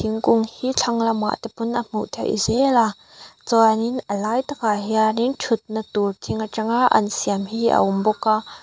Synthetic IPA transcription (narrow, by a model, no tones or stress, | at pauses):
iŋkʊŋhiːt͡ɬʰɐŋlɐwma̰ʔt̪ɛpʊnʔəm̥ṵʔt̪ʰɛwʔḭzɛla | t͡sɔninəlaːjt̪akaɦianintʰʊt̪̚nət̪urtʰiŋaʈ͡ʂaŋaʔɐ̰nsiamhiːʔə̰ʔʊmbɔka